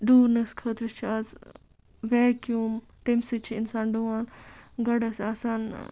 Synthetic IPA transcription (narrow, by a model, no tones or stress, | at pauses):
ɖuːɾnɐskʰəːt̪ɾɐst͡ʃʰiɐz | ʋaːkjuːm | ʈ̪emsɨt͡ʃʰiinsaːnɖuʋaːnɡɐɽɐsɐsaːn